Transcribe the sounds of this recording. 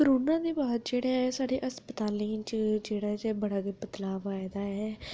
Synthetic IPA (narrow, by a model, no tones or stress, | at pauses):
kəɾoːnãːd̪iːbaːd̪d͡ʒeːɽaːɛsaːɽeːʔəspət̪aːlĩːt͡ʃd͡ʒeːɽaːd͡ʒeːbəɽaːɡepət̪laːʋaːɪd̪aːɛː